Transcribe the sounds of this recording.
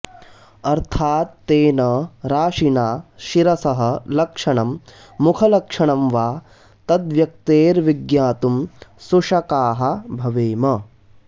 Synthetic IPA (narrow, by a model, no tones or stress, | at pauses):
ɐɾt̪ʰaːt̪ːeːnɐɾaːʂinaːʃiɾɐsɐɦɐ̆lɐkʂɐɳɐmː | ukʰɐlɐkʂɐɳɐmʋaː | t̪ɐd̪ʋjɐk̚t̪eːɾʋiɡjaːt̪umsuʂɐkaːɦɐbʱɐʋeːmɐ